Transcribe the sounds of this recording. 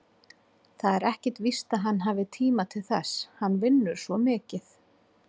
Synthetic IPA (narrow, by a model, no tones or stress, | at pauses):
θaðɛɾɛhcɛɾ̥t̪vist̪aðɦanːɦaːvɪt̪ʰiːmat̪ʰɪlθɛ̰shanːvɪnːʏɾ̥svɔmɪːcɪθ